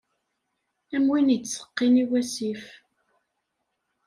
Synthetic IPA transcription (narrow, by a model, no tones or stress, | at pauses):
æmwinisə̥qːiniwæsif